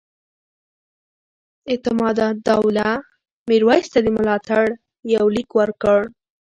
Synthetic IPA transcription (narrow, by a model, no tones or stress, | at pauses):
ɪt̪ɪmɑd̪ɑd̪awla | miɾwɑjst̪ad̪əmʊlɑt̪aɽ | jawlikwəɾkəɽ